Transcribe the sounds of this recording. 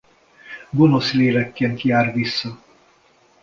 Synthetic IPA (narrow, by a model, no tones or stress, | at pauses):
ɡo̞no̞sleːlɛkːeːnt̪jaːrʋisːɒ